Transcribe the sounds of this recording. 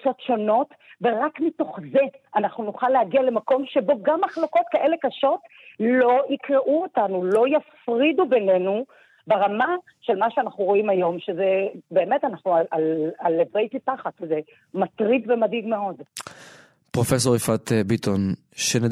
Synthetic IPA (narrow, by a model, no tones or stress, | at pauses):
t͡so̞tʃo̞no̞t | ve̞ʁakmito̞χze̞ʔanaχnunuχalehaɡiale̞mako̞mʃe̞bo̞ɡamaχloko̞t̚kaʔe̞le̞kaʃo̞tlo̞ikʁeʔuotanulo̞jafʁidube̞ne̞nu | beʁama | ʃe̞lmaʃeanaχnuʁo̞imajo̞mʃezebe̞ːme̞tanaχnuaalalevʁejtipaχatʃeze | matʁidvemadiɡme̞o̞d | pʁofes̬o̞ʁifat̪bit̪ʰon | ʃene